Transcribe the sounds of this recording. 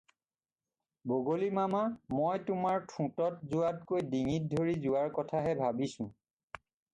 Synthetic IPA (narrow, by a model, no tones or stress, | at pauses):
boɡolimamamojtʊmaɹtʰũtɔtzʊwat̚kojdiŋit̚dʱoɹizʊwaɹkɔtʰaɦɛbʱabisʊ̃